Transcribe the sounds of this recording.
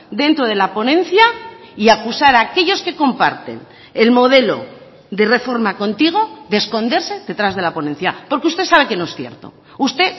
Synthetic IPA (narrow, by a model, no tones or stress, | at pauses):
d̪e̞nt̪ɾo̞ð̞e̞lapo̞nẽ̞n̟θja | iakusaɾake̞ʎoske̞ko̞mpa̰ɾt̪e̞̰n | e̞lmo̞ð̞e̞lo̞̰ | ðe̞re̞fo̞ɾmako̞nt̪iɣ̞o̞ðesko̞nd̪e̞ɾse̞ðe̞t̪ɾazðe̞lapo̞nẽ̞nθjapo̞ɾkeust̪esaβe̞ke̞no̞esθjeɾt̪o̞̰ | ust̪e̞